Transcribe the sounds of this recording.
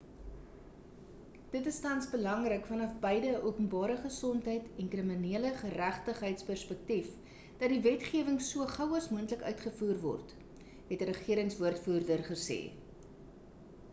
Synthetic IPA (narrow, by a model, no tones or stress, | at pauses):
d̥ətəstɐnsbəlɐŋrəkfɐnɐfbəjdəʔuəpənbɑːɾəχəsɔntɦəjtɛnkriminiələχəræχtəχɦəjtspærspək̚tif | d̥ɐt̚divɛtχiəvəŋsuəχɐwɐsmuəntləkœ̰ɥtχəfuːrvɔ̰rt | ɦɛtəɾəχiəɾəŋsvuərtfuːrdərχəsḛː